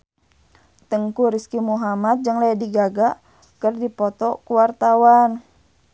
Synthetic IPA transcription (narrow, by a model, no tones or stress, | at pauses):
t̪əŋkuɾiskimuɦamat̪̚d͡ʒəŋlajadiɡaɡa | kərdipɔt̪ɔkuwart̪awan